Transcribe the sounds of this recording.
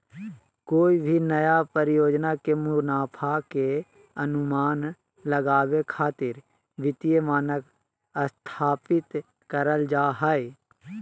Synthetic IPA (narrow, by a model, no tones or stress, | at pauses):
koːibʱinəjapəɾɪjoːd͡ʒnakemʊɾnaːpʰake | ənʊmaːn | ləɡaːwekʰaːt̪ɪɾ | ʋɪt̪ijemaːnək | əst̪ʰaːpɪt̪ | kəɾəld͡ʒaːɦae